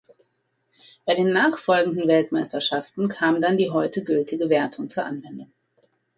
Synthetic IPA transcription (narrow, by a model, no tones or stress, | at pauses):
b̥aɪdeːnːaːχfɔlɡŋ̩dn̩vɛltmaɪstɐʃaftn̩kʰaːmdandiːɦɔʏtəɡʏltʰɪɡəveːɐtʰʊŋt͡suːɐʔanvɛndʊŋ